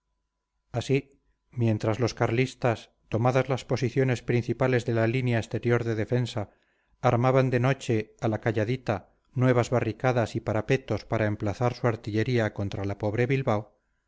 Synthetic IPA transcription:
asi | mje̞nt̪ɾazlo̞skaɾlist̪as | t̪o̞maðazlaspo̞siθjo̞ne̞spɾin̟θipale̞zðe̞lalinjaest̪e̞ɾjo̞ɾðe̞ðe̞fe̞nsaː | ɾmaβand̪e̞no̞t͡ʃe̞alakaʎaðit̪a | nwe̞β̞azβarikaðasipaɾape̞t̪o̞spaɾaemplaθaɾsuaɾt̪iʎe̞ɾiako̞nt̪ɾalapo̞βɾe̞βilβaw

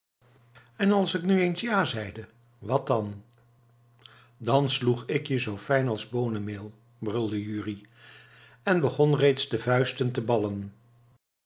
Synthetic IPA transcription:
ɛnɑlˠsɪknyejnsjaːzɛjdə | ʋɑt̚ɑn | dɑnsluχɪkjəzowfɛjnɑlˠzbownəmɪːlˠ | brɵlˠdəjyːri | ɛnbəχɔnrejtsdəvœɥstəntəbɑlən

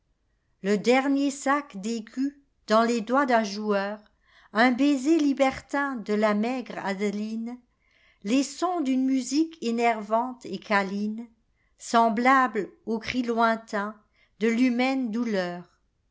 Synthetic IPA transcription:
ləd̪ɛʁnjesakd̪ekʰy | d̪̥ɑ̃led̪wad̪ɛ̃ʒuœʁ | ɛ̃bezelibɛʁt̪ɛ̃d̪əlamɛɡʁa̰d̪lin | lesɔ̃d̪ynmyzikʰenɛʁvɑ̃t̪ekʰalin | sɑ̃blablokχilwɛ̃t̪ɛ̃ | d̪̥əlymɛnd̪ulœːʁ

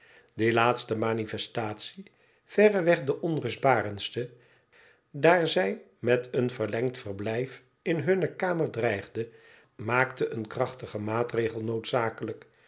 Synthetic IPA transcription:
dəlaːtstəmaːnifɛstaːtsi | v̥ɛrəʋɛχdəʔɔnrɵzdbaːrənstə | daːɹzɛj | mɛtənvəɹlɛŋtfərblɛjf | ɪnɦɵnəkaːmərdrɛjχdə | maːktəʔənkrɑχtəχəmaːtrejχəlˠnowtsaːkələk

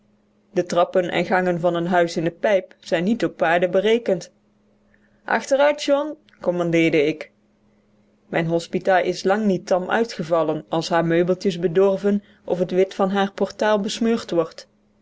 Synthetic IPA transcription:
dətrɑpənʔɛ̰nɣɑŋənvɑnənɦœɥsɪndəpɛjpsɛjnːitɔpːaːɹdəbərejkənt | ʔɑ̰χtərœɥtʒɔn | kɔmɑndɪːɹdəɪk | mɛjnɦɔspitaːlˠʔɪslɑŋnitɑmʔœ̰ɥtχəvɑlˠənɑlˠsɦaːɹmøɥbəlˠtəsbədɔrvən | ʔɔ̰fətʋɪtfɑnɦaːɹpɔɹtaːlˠbəsmøːɹtʋɔɹt

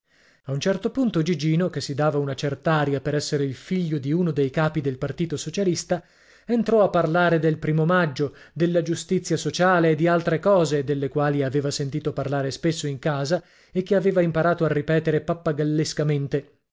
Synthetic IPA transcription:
aunt͡ʃɛrt̪opunt̪od͡ʒid͡ʒiːnokesːid̪aːvaunat͡ʃɛrt̪aaːɾjapeɾɛsːeɾeilfiʎːod̪iuːnod̪ejkaːpid̪elpart̪iːt̪osot͡ʃalist̪a | ent̪ɾɔapːarlaːɾed̪elpɾiːmomad͡ʒːod̪elːad͡ʒust̪it̪sːjasot͡ʃaːleːd̪ːialt̪ɾekɔːzed̪elːekwaːliaveːvasent̪iːt̪oparlaːɾespesːoiŋkaːza | ek̟ːeaveːvaimpaɾaːt̪oarːipɛːt̪eɾepapːaɡalːeskament̪e

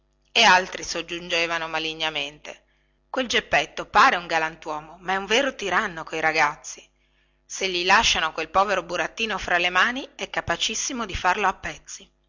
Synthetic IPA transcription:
ealt̪ɾisod͡ʒːund͡ʒeːvanomaliɲːament̪ḛ | kweld͡ʒepːet̪ːopaːɾeuŋɡalant̪wɔːmomaɛuɱveːɾot̪iɾanːokoiɾaɡat̪sːi | seʎːilaʃːanokwelpɔːveɾobuɾat̪ːiːnofɾalemaːniɛkːapat͡ʃisːimod̪ifarloapːɛt̪sːi

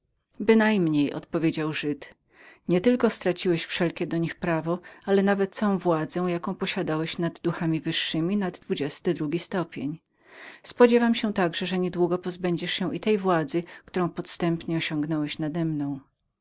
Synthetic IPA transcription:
bɘnajmɲejɔ̰t̪pɔvʲjed͡ʑawʐɘt̪ | ɲɛt̪ɘlkɔst̪ɾat͡ɕiwɛɕfʂɛlkʲɛd̪ɔɲixpɾavɔalɛnavɛt̪̚ːsɔ̃w̃vwad̪zɛ̃jakɔ̃w̃pɔɕad̪awɛɕnad̪ːuxamʲivɘʂːɘmʲinad̪ːvud͡ʑɛst̪ɘd̪ɾuɡʲist̪ɔpʲjeɲ | spɔd͡ʑɛvamɕɛt̪aɡʐɛʐɛɲɛd̪wuɡɔpɔzbɛɲd͡ʑɛʂɕɛ̃ʔit̪ɛjvwad̪zɘkt̪uɾɔ̃w̃pɔt̪st̪ɛmpɲɛɔɕɔ̃ŋɡnɔwɛɕnad̪ɛmnɔ̃w̃

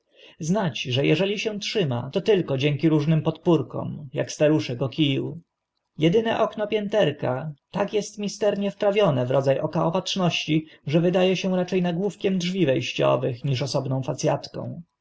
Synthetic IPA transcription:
znat͡ɕʐɛjɛʐɛlʲiɕɛw̃tʂɘma̰t̪ɔt̪ɘlkɔd͡ʑɛŋkʲiɾuʐnɘmpɔt̪puɾkɔ̰mja̰kst̪aɾuʂɛkɔkʲijw | jɛd̪ɘnɛʔɔknɔpʲjɛnt̪ɛɾkat̪akjɛst̪mʲist̪ɛɾɲɛfpɾavʲjɔnɛvɾɔd̪zajʔɔkaɔpatʂnɔɕt͡ɕiʐɛvɘd̪ajɛɕɛw̃ɾat͡ʂɛjnaɡwufkʲɛmdʐvʲivɛjɕt͡ɕɔ̰vɘxɲiʂɔsɔbnɔ̃w̃fat̪sʲjat̪kɔ̰̃w̃

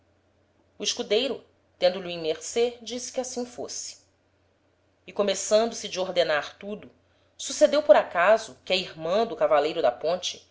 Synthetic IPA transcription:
uiʃkud̪ejɾʊ | t̪ẽnd̪ʊluĩmeɾsed͡ʒisɪ̥kɪasĩfo̰sɪ̥ | ɪkomesɐ̃nd̪ʊsɪd͡ʒɪoɦd̪enaɾt̪ud̪ʊ | sused̪ewpoɾakazʊkɪɐihmɐ̃d̪ʊkavalejɾʊd̪ɐpõnt͡ʃɪ̥

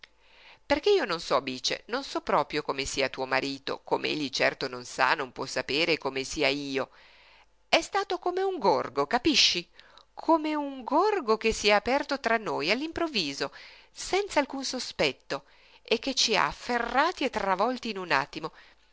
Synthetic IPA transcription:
perk̟eiːononsɔbiːt͡ʃḛnonsɔpːɾɔːpɾjokomesiːat̪uːomaɾiːt̪o̰komḛḛʎːit͡ʃɛrt̪ononsa̰nompwɔsːapeːɾekomesiːaiːo | ɛst̪aːt̪okomeuŋɡorɡokapiʃːikʰomeuŋɡorɡokesːiɛaːpɛrt̪ot̪ɾanːoːjalːimpɾovːiːzo | sɛnt̪saːlkunsospɛt̪ːo | ekːet͡ʃːia̰ːfːerːaːt̪iet̪ːɾavɔlt̪iːnuna̰t̪ːimo

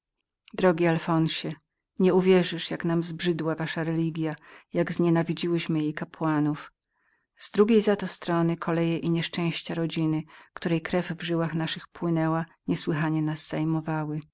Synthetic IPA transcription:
d̪ɾɔɡʲialfɔnɕɛ | ɲɛuvʲjɛʐɘʂjaknamzbʐɘd̪wavaʂaɾɛlʲiɡʲjajaɡzɲɛnavʲid͡ʑiwɘɕmɘjejkapwanuf | z̥d̪ɾuɡʲejzat̪ɔst̪ɾɔnɘkʰɔlɛjɛʔiɲɛʂt͡ʂɛ̃w̃ɕt͡ɕaɾɔd͡ʑinɘkt̪uɾɛjkɾɛvvʐɘwaxnaʂɘxpwɘnɛwaɲɛswɘxaɲɛnazzajmɔvawɘ

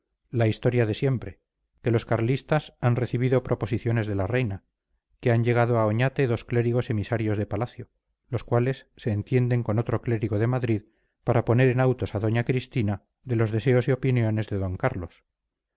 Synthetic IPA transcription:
laist̪o̞ɾjaðe̞sje̞mpɾe̞ | ke̞lo̞skaɾlist̪asanre̞θiβ̞iðo̞pɾo̞po̞siθjo̞ne̞zðe̞lare̞jna | ke̞aɲʝe̞ɣ̞að̞oao̞ɲat̪e̞ðo̞skle̞ɾiɣo̞se̞misaɾjo̞zðe̞palaθjo̞ | lo̞skwale̞sːe̞ːnt̪je̞nd̪e̞ŋko̞no̞t̪ɾo̞kle̞ɾiɣo̞ð̞e̞maðɾið | paɾapo̞ne̞ɾe̞nawt̪o̞saðo̞ɲakɾist̪ina | ðe̞lo̞zðe̞se̞o̞sio̞pinjo̞ne̞zðe̞ðo̞ŋkaɾlo̞s

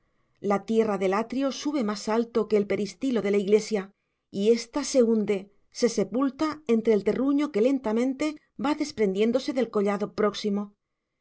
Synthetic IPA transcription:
lat̪je̞raðe̞lat̪ɾio̞suβe̞masalt̪o̞ke̞ːlpe̞ɾist̪ilo̞ðe̞laiɣle̞sja | ie̞st̪ase̞und̪e̞ | se̞se̞pult̪ae̞nt̪ɾelt̪e̞ruɲo̞ke̞le̞nt̪amẽ̞nt̪e̞ | baðe̞spɾe̞nd̪je̞nd̪o̞se̞ðe̞lko̞ʎaðo̞pɾo̞ksimo̞

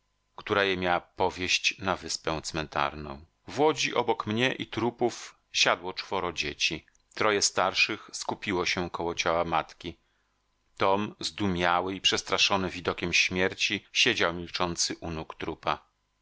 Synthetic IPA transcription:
kt̪uɾajɛmʲjawapɔvʲjeɕt͡ɕnavɘspɛ̃w̃t̪smɛnt̪a̰ɾnɔ̰̃w̃ | vwɔd͡ʑiʔɔbɔkmɲɛʔit̪ɾupuf | ɕad̪wɔt͡ʂfɔɾɔd͡ʑet͡ɕi | t̪ɾɔjɛst̪aɾʂɘxskupʲiwɔɕɛkɔwɔt͡ɕawamat̪kʲi | t̪ɔmzd̪umʲjawɘipʂɛst̪ɾaʂɔnɘvʲid̪ɔkʲɛmɕmʲjɛɾt͡ɕiɕed͡ʑawmʲilt͡ʂɔnt̪sɘʔunukt̪ɾupa

